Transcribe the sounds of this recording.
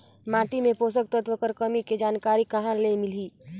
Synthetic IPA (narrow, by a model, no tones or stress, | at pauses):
mãːʈimẽpoːs̬ək̚t̪ət̪ʋəkəɾkəmiked͡ʒaːnkaːɾikɐɦãlemɪliː